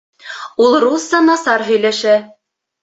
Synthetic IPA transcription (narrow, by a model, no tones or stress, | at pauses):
ulˠrusːɑnɑsɑɾɦɵ̆jlæʃæ